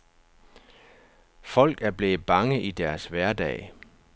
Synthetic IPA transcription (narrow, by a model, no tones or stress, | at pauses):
fɒ̽l̰ɡ̥æɐb̥le̝ːð̩b̥ɑ̈ŋəʔid̥æɐsʋæɐd̥ɛ̰ːɪ